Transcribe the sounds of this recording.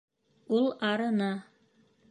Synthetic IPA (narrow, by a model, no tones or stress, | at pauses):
ulˠɑɾɤ̆nɑ